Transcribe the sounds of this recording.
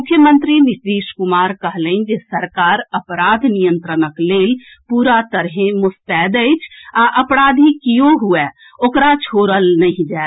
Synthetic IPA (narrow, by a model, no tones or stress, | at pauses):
mʊkʰjəmə̃nt̪ɾinɪsd̪eːʃkʊmaːɾkəɦlənd͡ʒesəɾkaːɾəpɾaːd̪ʱnijə̃nt̪ɾənəkleːl | puːɾat̪əɾɦẽmʊst̪ɛːd̪əɪt͡ʃʰaʔɐpɾaːd̪ʱikijoɦue | okɾat͡ʃʰoːɾəlnɐɦĩd͡ʒaː